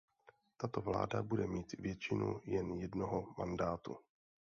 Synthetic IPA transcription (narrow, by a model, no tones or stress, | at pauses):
t̪at̪ovla̰ːdabudɛmiːt̪vjɛt͡ʃɪnṵjɛnjɛdnoɦoma̰ndaːt̪ṵ